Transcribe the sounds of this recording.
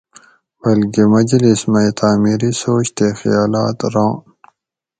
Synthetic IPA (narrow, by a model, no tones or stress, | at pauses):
b̥ɐlkimɐd͡ʑlismɐjt̪aːmiɾisoːt͡ɕt̪exḭjaːlaːt̪ɾãː